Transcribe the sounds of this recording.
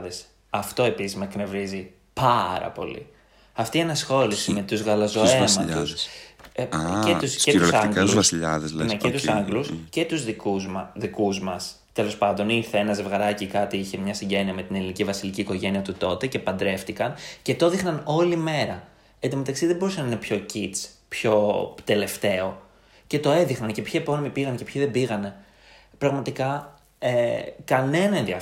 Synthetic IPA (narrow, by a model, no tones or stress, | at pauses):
ðes | ɐft̪o̞e̞pisizmɐkne̞vɾizi | pɐɾɐ̰po̞̰lḭ | ɐft̪iːɐnɐsxo̞lisime̞t̪uzɣɐlɐzo̞e̞mɐʎt̪us | cet̪uset̪sɐŋɡsiʎɐðeznecet̪usɐŋɡlusce̞t̪uzðikuðikuzmɐs | t̪e̞lo̞spɐnd̪o̞niɾθeenɐze̞vɣɐɾɐcikɐt̪iiçemɲɐsiɲɟe̞niɐme̞t̪inelinicivɐsiliciːko̞ʝe̞niɐt̪ut̪o̞t̪e̞ce̞pɐnd̪ɾe̞ft̪ikɐnce̞t̪o̞ðixnɐno̞lime̞ɾɐ | et̪ime̞t̪ɐksiðe̞bo̞usɐnɐinepço̞cit͡spço̞t̪e̞le̞ft̪e̞o̞ | ce̞t̪o̞e̞ðixnɐncepçiepo̞nomipiɣɐnce̞pçiðe̞biɣɐne̞ | pɾɐɣmɐt̪ikɐ | ekɐne̞nɐenðiɐ